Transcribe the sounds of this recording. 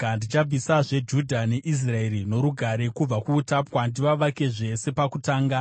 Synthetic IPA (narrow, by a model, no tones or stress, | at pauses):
kandit͡ʃaisaʐe̞d͡ʒudʱane̞ʔis̬rae̞rino̞ɾuɡʱaɾe̞kub͡vakuːtapwandiʋaʋake̞ʐe̞se̞pakutaːŋɡa